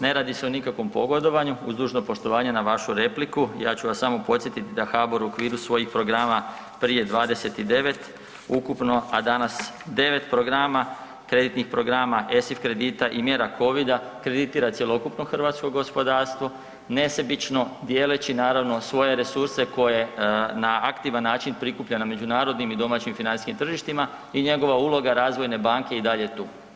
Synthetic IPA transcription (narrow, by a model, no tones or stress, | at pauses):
ne̞ɾaːd̪ise̞onikakʋo̞mpo̞ɡod̪o̞ʋaɲuuzd̪uːʒnopo̞ʃt̪o̞ʋaːɲe̞naʋaʃuɾe̞plikujaːt͡ɕuʋasamo̞po̞t̪sjet̪it̪id̪axaboɾuokʋiːɾusʋo̞jixpɾo̞ɡɾaːma | pɾije̞d̪ʋaːd̪e̞se̞t̪id̪e̞ʋe̞t̪ | ukupno̞ad̪anas | d̪e̞ʋe̞t̪pɾoɡɾaːma | kɾe̞d̪it̪nixpɾoɡɾamaʔe̞sifkɾe̞d̪iːt̪aʔimje̞ːɾakʰo̞ʋid̪akɾe̞d̪it̪iːɾat̪sje̞lˠo̞kupno̞xr̩ʋaːt̪sko̞ɡo̞spo̞d̪aːɾst̪ʋo̞ | ne̞sebit͡ʃno̞d̪je̞ːlet͡ɕinaːɾaʋno̞sʋo̞je̞ɾe̞suɾse̞ko̞jenaakt̪iʋanːaːt͡ʃinpɾikupʎename̞d͡ʒunaːɾo̞d̪nimid̪o̞maːt͡ɕimfinansiskimt̪r̩ʒiʃt̪ima | iɲe̞ɡo̞ʋaulˠo̞ɡaɾaːzʋo̞jne̞baːŋke̞id̪aʎe̞t̪uː